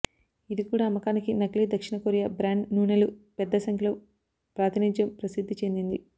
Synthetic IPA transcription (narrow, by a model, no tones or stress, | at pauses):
id̪ikuːɽaːmɐkaːnikinɐɡliːd̪ɐkʂiɳɐkoːɾijabɾaːɳɖnuːnɐlupɛd̪ːɐsɐŋkʰɐloː | pɾaːt̪inid͡ʒjɐmpɾɐsid̪ʱːit͡ʃe̞nd̪ind̪i